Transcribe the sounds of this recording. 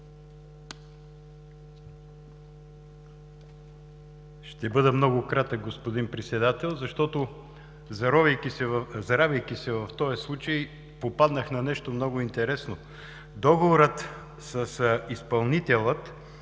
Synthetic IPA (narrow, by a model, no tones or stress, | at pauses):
ʃt̪ɛbɤd̪əmnɔɡʊkɾat̪ək̚ɡospod̪inpɾɛt̪sɛd̪at̪ɛlˠzɐʃt̪ɔt̪o | zɐɾɔvəjkisɛvzɐɾavʲəjkʲisɛvɐft̪ɔjɐslˠut͡ʃəj | popad̪nəxnɐnɛʃt̪omnɔɡʊint̪ɛɾɛsno | d̪ɔɡovoɾət̪ | səsispɐlˠnit̪ɛlˠət̪